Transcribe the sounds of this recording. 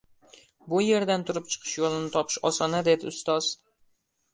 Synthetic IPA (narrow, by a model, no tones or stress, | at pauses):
bʊje̞ɾd̪ant̪ʰʊɾɪp̚t͡ʃʰɨ̥qʰɨ̥ʃjolˠɪnɪt̪ʰɒpʰɪ̥ʃɒsɒnad̪e̞d̪ɪʊst̪ɒz̥